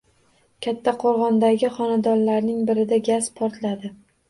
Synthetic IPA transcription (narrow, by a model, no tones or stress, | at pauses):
kʲʰat̪ʰːaqʰoɾʁɒnd̪aɡʲɪχɒnad̪ɒnlaɾnɪŋbɪɾɪd̪aɡʲaspʰɒɾt̪lad̪ɪ